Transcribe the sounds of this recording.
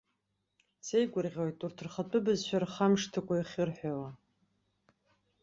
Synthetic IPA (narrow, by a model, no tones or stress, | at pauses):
sejɡʷʊrʁʲojtʼurtʰɨrχapʰʼɨbɨzʃʷᶣarχamʂtʰɨkʷʼaiχʲɪrħʷᶣawa